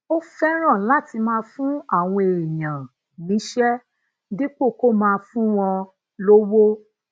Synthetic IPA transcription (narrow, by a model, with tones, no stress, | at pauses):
o˦fɛ˦ɾ̃ã˦˨la˦ti˧mãː˦˧fũ˦a˦˨w̃ɔ̃˧e˨e˨jã˨ | nĩ˨˦ʃɛ˦ | di˦k͡po˦˨ko˦˨mãː˧fũ˦w̃ɔ̃˧ | lo˦wo˦